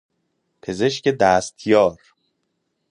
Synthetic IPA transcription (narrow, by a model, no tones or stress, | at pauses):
pʰeze̞ʃce̞d̪æːst̪ʰjɒːɾ